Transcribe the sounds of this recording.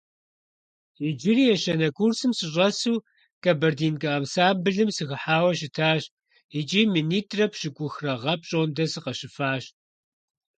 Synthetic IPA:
jid͡ʒɪrijɛʃɐnɐkʷʰursɨmsɨɕ̬ʼɐsuː | kʼɐbɐrdiːnɡɐaːmsaːmbɨɮɨmsɨxɨħaːwɐɕ̬ɪtʰaːɕ | it͡ʃʼiːminiːtʰʼrɐpɕɪkʷʼʊxrɐʁɐpɕʼoːndɐsɨqɐɕɪfaːɕ

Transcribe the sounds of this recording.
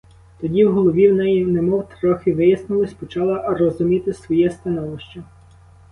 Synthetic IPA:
t̪ɔdʲiwɦɔlˠɔʋʲiwnɛjinɛmɔwt̪ɾɔxɪʋɪjɐsnɪlˠɪsʲpɔt͡ʃɑlˠɐrɔzʊmʲit̪ɪsʋɔjɛst̪ɐnɔʋɪʃt͡ʃɔ

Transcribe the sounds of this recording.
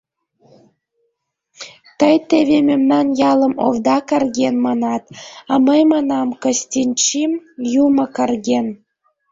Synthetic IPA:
t̪əjt̪eβʲemʲemnɑnjɑlə̆mo̰vd̪ɑkə̆rɣenmɑnɑt̪ɑməjmɑnɑmkəsʲtʲinʲt͡ɕimjumɤ̆kərɣen

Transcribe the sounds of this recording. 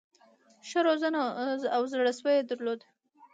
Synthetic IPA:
ʃəɾozanoawzɽəswəjed̪əɾlod̪

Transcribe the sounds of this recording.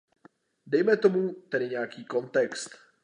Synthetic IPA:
dɛjmɛt̪o̞mut̪ɛɾɪɲɛakiːko̞nt̪ɛkst̪

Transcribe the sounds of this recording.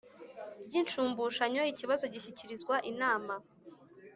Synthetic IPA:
ɾɟint͡ʃuːmbuʃaɲo̞iciβazo̞ɟiçiciɾizɡwaʔinaːma

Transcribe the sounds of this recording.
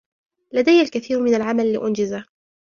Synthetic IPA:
lad̪ajːalkaθiːɾmɪnalʕamalːɪʔʊnd͡ʒɪza

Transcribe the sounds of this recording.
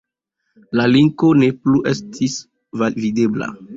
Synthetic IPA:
laliŋkonepluʔestʰis | vvidebla̰

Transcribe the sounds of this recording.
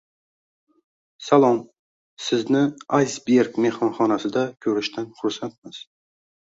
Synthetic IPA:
salˠɒm | sɪznɪajsbeɾkme̞hmɒnχɒnasɪd̪akʲʰɵɾɪʃt̪ʰanχʊɾsant̪maz̥

